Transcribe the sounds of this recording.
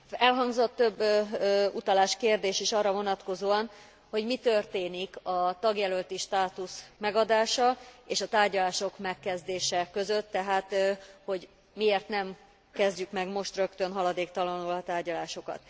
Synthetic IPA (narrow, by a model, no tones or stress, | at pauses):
ɛlɦɒŋɡzo̞t̪ːø̞bː | ut̪ɒlaːʃkeːrd̪eːʃiʃɒrːɒvo̞nɒt̪ko̞zoːɒn | ho̞ɟmit̪ørt̪eːnikɒt̪ɒɡjɛlølt̪iʃt̪aːt̪usmɛɡɒd̪aːʃɒeːʃɒt̪aːrɟɒlaːʃo̞kmɛkːɛzd̪eːʃɛkø̞zø̞t̪ːɛɦaːt̪ho̞ɟ | mieːrt̪nɛm | kɛzɟykmɛɡmo̞ʃt̪rø̞kt̪ønɦɒlɒd̪eːkt̪ɒlɒnulɒt̪aːrɟɒlaːʃo̞kɒ̰t̪